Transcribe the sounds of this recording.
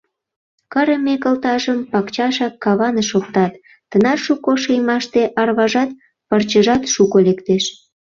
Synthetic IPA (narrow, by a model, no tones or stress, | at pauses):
kəɾəmekəlt̪ɑʒəmpɑkt͡ɕɑʃɑkːɑβɑnəʃok̚t̪ɑt̪ː | ənɑʃukoʃəjmɑʃt̪eʔɑrβɑʒɑt̪̚ | pɑrt͡ɕəʒɑt̪ʃukolekt̪eʃ